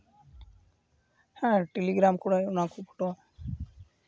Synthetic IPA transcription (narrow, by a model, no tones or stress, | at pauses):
hɛ̃ʈeliɡɾamkuɽajunakʰubu̥ʈɔ